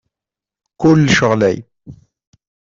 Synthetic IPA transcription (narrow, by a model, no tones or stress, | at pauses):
kʊlːʃəʁlæ̰j